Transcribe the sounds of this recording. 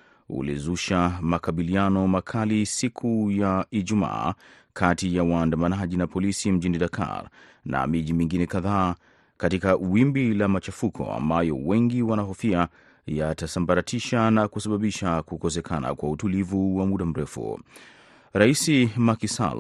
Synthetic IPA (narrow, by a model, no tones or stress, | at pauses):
ṵlḭzuʃamakaɓilianɔmakʰalisikʰujaiʄuma̰ː | kʰatijawaːndamanaʄinapɔlisim̩ʄiniɗakʰa̰ɾ | na̰miʄimiŋɡinɛkaðaː | katikaʔwimbilamat͡ʃafukʰɔ̰a̰mbajɔ̰wɛŋɡiwanaɦɔfia | jatasambaɾatʰiʃanakusaɓaɓiʃakukɔs̬ɛkʰana̰kwautulivuwamuɗam̩ɾɛfṵ | ɾaisimakisa̰l